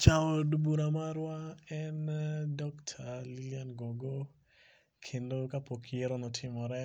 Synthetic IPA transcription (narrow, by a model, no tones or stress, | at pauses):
t͡ʃaɔdubuɾamaɾwaɛndɔktʰalilianɡoɡo | kʰendokapokʰieɾɔnɔtʰɪmɔɾɛ